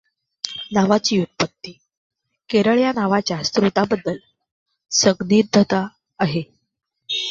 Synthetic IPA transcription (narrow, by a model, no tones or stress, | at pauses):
naʋat͡ɕiːut̪̚pət̪ːiː | keɾəɭjanaʋat͡ɕjast̪ɾut̪abəd̪ːəl | səɡniːɾd̪ʱət̪aː | ɦe